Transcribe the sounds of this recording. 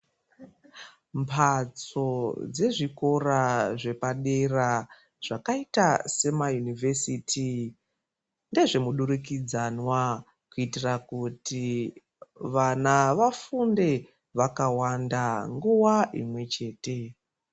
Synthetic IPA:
mpʰat͡so̞d͡ze̞ʐiko̞raʐe̞paɗe̞ra | ʐ̥akaitase̞majunive̞sitʰi | nde̞ʐe̞muɗuɾuk̬id͡zanwa | kuitirakuti | ʋanaʋafunde̞ | ʋakawandaŋɡuwaʔḭmwe̞t͡ʃe̞ːte̞

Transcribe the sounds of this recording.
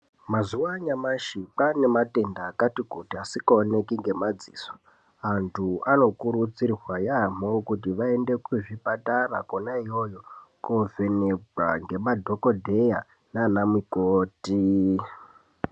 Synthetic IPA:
mazuwaɲamaʃik͡pane̞mate̞ndaːkatikutiasikaone̞kiŋɡe̞mad͡zḭːso̥ | antʰuano̞kuɾut͡sirrwajamo̞kut̬iʋae̞nde̞kuʐipatarakonaijo̞jokove̞neɡaŋɡe̞madʱo̞kodʱe̞ja | nanamikoːti

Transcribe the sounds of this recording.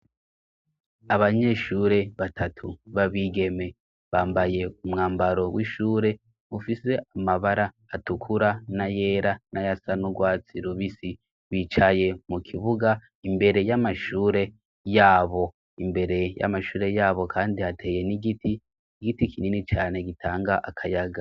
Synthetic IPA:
aβaɲe̞ːʃuːɾe̞βatʰatʰuβaβiːɡe̞me̞ | βaːmbaje̞umŋaːmbaɾo̞wiʃuːɾe̞ | ufise̞amaβaɾaːtukʰuɾanaje̞ːɾanajasanuɡwaːt͡siɾuβisi | βiːt͡ʃaje̞mukʰiβuɡa | imbe̞ɾe̞jamaʃuːɾe̞ | jaːβo̞ | imbe̞ɾe̞ja̰maʃuːɾe̞jaːβo̞kʰaːndiatʰe̞ːje̞niɡitʰi | iɡitikʰininit͡ʃaːne̞ɡitʰaːŋɡaʔakʰajaɡa

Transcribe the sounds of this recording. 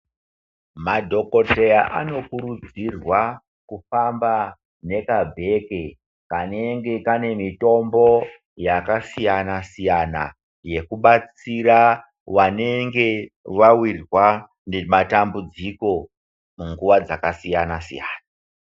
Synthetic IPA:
madʱo̞ko̞tejaʔa̰no̞kuɾud͡zirwa | kufamba | ne̞kabʱe̞ke | kane̞ŋɡe̞kane̞mito̞mbo̞ | jakasijanasijana̰ | je̞kuɓat͡siɾa | wane̞ŋɡe̞ʋawirrwa | nematambud͡ziko̞ | muŋɡuʋad͡zakasijanasijaːna

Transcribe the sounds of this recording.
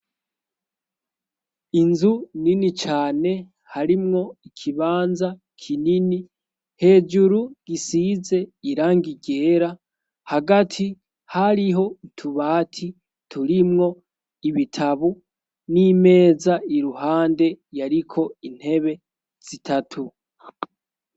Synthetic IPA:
inzuninit͡ʃaːne̞ | haɾimŋo̞ikʰiβaːnza | kʰinini | he̞ːd͡ʒuɾuɡ̥isize̞iɾaːŋɡiɟe̞ːɾa | haɡatʰi | haɾiɦo̞itʰuβaːtʰi | tʰuɾimŋo̞ | iβitʰaβu | nime̞ːzaiɾuɦaːnde̞jaɾikʰo̞in̥he̞βe̞ | z̥itʰatʰu

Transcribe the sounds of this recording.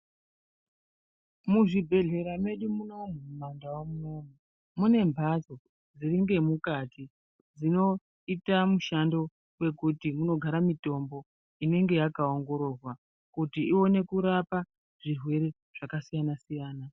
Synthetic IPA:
muʐibʱe̞ɮe̞ɾame̞ɗumuno̞mumumandawomuno̞ːmu | mune̞mbʱazo̞ | d͡ziɾiŋɡe̞mukati | d͡zino̞ | itamuʃando̞ | we̞kutimuno̞ɡʱaɾamito̞mbo̞ | ine̞ŋɡe̞jakaoŋɡo̞ɾo̞rwa | kutiiwo̞ne̞kuɾapa | ʐ̥irwe̞ɾe̞ | ʐ̥akasijanasijaːna

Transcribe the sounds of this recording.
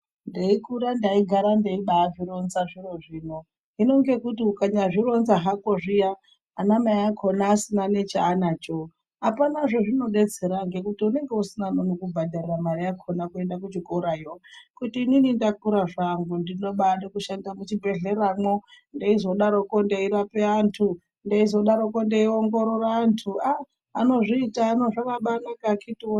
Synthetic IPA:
ndeikuɾandaiɡʱaɾandeiɓaːʐiɾo̞nzaʐiro̞ʐiːno | ɦino̞ŋɡe̞kutiukaɲaʐiɾo̞nzaɦakoʐijaː | namaijakʰonaːsinane̞t͡ʃaːnat͡ʃo | ɦapanaʐo̞ʐino̞ɗe̞d͡ze̞ɾaŋɡe̞kutiune̞ŋɡeusinanonokubʱadʱariramarijakʰonakue̞ndakut͡ʃikoɾajokutiːninindakuɾaʐaŋɡundino̞ɓanekuʃandamut͡ʃibʱe̞ɮe̞ɾamo | ndeizo̞ɗaɾokondeiɾapeantʰu | ndeizo̞ɗaɾokondeioŋɡo̞ɾoraːntʰua | ano̞ʐiːtaːno̞ʐakaɓanakakʰitiwo

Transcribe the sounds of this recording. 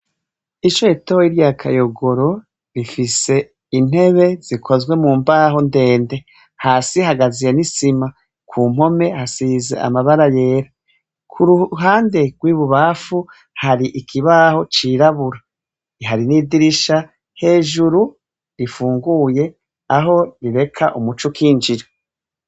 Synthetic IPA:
it͡ʃoitoiɾjakʰa̰jo̞ɡo̞ɾo̞ | ɾifise̞ | in̥he̞βe̞z̥ikʰozɡwe̞muːmbaːɦo̞nde̞ːnde̞ | haːsihaɡazijenisima | kʰuːm̥o̞me̞hasiːzḛʔa̰maβaɾaje̞ːɾa | kʰuɾuɦaːnde̞ɡ̥wiːβuβaːfu | haɾiʔikʰiβaːho̞t͡ʃiːɾaβuɾa | iɦaɾiniːdiɾiʃa | he̞ːʒuɾu | ɾifuːŋɡuːje̞ | aɦo̞ɾiɾe̞kʰaʔumut͡ʃukʰiːnd͡ʒiɾo

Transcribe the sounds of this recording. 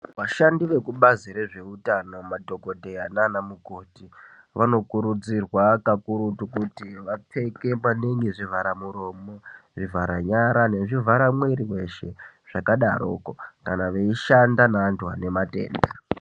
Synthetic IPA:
ʋaʃandiʋe̞kuɓaziɾe̞ʐe̞utano̞madʱo̞ko̞dʱeananamuɡʱo̞ːti | ʋano̞kuɾud͡zirwakakuɾutukutiʋap͡fe̞ke̞maneŋɡiʐivʱaɾamuɾo̞moʐivʱaɾaɲaɾane̞ʐivʱaɾamweɾiwe̞ʃe̞ | ʐ̥akaɗaɾokokanaʋeiʃandanaːntuane̞mate̞̰ːnda

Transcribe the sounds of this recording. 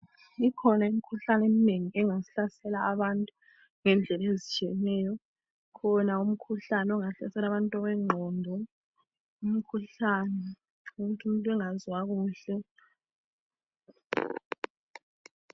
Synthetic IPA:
ikʰɔnaimikʰuɬanemineŋiɛŋasiɬasɛlaːβantʼu | ŋɛnd͡ɮʱɛlezit͡ʃʼiɛnɛːjɔ | kʰɔnaum̩kʰuɬanɛɔŋaɬɛsɛlaβantʼɔβɛŋ͡ǃʱɔndʱɔ | umikʰuɬanɛ | uɣutʰumuntʼwɛŋazwaɣuːɬɛ

